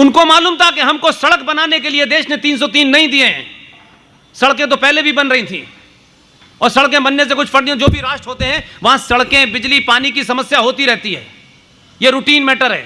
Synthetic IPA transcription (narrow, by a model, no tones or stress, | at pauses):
ʊnkomaːluːmt̪ʰakeɦɐmkosɐɽək̚bɐnaːnekelied̪eːʃnet̪iːns̬ɔt̪iːnːɐɦĩd̪ieɦɛ̃ː | sɐɽkẽt̪̬opɛɦlebʱibɐnɾɐɦĩt̪ʰḭ̃ː | ɔːɾsɐɽkẽbɐnːes̬ekʊt͡ʃʰpɐɽnijãd͡ʒoːbʱiɾaːʃʈɦoːt̪eɦɛ̃ʋɐɦãsɐɽkẽbɪd͡ʒlipaːnikisɐməsjaɦoːt̪iɾɛɦt̪iɦɛ̰ː | jeɾuːʈiːnmeːʈəɾɦɛ̰ː